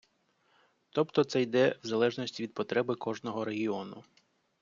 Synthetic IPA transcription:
t̪ɔpt̪ɔt̪sɛjd̪ɛwzɐlˠɛʒnɔsʲtʲiʋʲid̪̚pɔt̪ɾɛbɪkɔʒnɔɦɔɾe̞ɦʲiɔnʊ

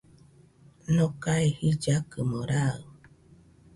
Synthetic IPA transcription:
nõkaehid͡ʒakɨmoɾaɯ

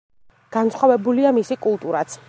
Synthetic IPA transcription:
ɡ̥ansχavɛbuliamisikʼulˠt̪ʼuɾat̪sʰ

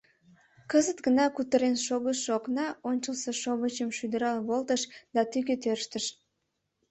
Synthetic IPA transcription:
kəzət̪ɡənɑkut̪əɾenʃoɣəʃːoknɑonʲt͡ʃəlsəʃoβət͡ɕəmʃyd̪əɾɑlβolˠt̪əʃd̪̥ɑt̪yɡet̪ørʃt̪əʃ

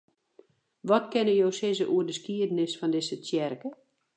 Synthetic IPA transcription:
ʋɔtkɪnəjowsɪzəʔuərdəskiədənɪsfɔndɪsətjɛrkə

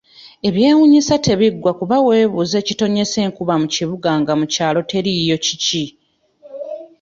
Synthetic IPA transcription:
e̞βje̞ːwuɲisate̞βiɡwakuβawe̞ːβuze̞ːcito̞ɲe̞se̞ːŋkuβamuciβuɡaŋɡamucaːlo̞te̞ɾijo̞cici

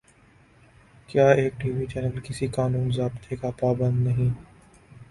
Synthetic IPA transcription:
kjaːeːk̚ʈiːʋiːt͡ʃɛːnəlkɪsikaːnuːnzaːbt̪ʰekapaːbə̃nd̪nɐɦĩː

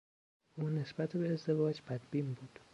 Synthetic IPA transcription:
ʔuːne̞sbæt̪ʰbeːzd̪e̞vɒːd͡ʒbæd̪bimbuːd̪̥

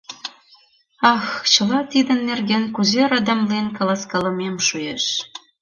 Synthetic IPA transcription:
ɑxt͡ɕə̆lɑt̪id̪ə̆nːerɣenkuzeɾɑd̪ɑmlinkɑ̆lɑskɑlə̆memʃujeʃ

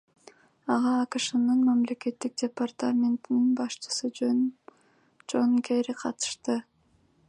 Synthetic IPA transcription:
ɑʁɑːkɯʃɯnɯnmamle̞ke̞t̪ːik̚dʲepart̪amʲent̪ininbɑʃt͡ʃɯ̥sɯ | d͡ʒoŋkʲʰeɾiqʰɑt̪ɯ̥ʃt̪ɯ

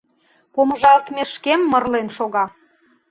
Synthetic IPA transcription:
poməʒɑlt̪meʃkemːərlenʃoɣɑ

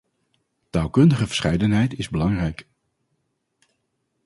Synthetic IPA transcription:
taːlˠkɵndəχəvə̥ɹsχɛjdənɦɛjtɪzbəlɑŋrɛjk

